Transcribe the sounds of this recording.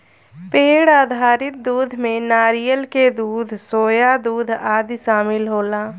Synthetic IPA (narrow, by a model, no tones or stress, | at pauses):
peːɽaːd̪ʱaːɾɪt̪̚d̪uːd̪ʱmẽnaːɾijəlked̪uːd̪ʱsoːjad̪uːd̪ʱaːd̪ʃaːmɪlɦoːlaː